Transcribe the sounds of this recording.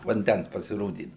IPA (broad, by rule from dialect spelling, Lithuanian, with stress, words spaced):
ʋɐnʲˈdʲæns pɐsʲɪˈroːdʲiːdɐʊ